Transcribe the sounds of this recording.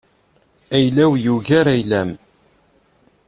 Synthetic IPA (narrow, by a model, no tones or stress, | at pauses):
æjlæwjuʝæɾæjlæm